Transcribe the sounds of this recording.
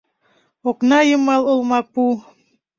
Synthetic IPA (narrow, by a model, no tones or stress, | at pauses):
oknɑjəmɑlˠolˠmɑpu